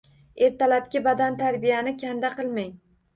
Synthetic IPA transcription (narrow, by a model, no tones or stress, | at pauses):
eɾt̪alap̚kʲɪbad̪ant̪ʰaɾbijanɪkʲʰand̪aqɨlˠmaŋ